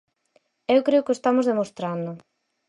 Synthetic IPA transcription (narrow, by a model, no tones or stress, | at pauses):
ewkɾeʊkɪest̪amozðemost̪ɾand̪ʊ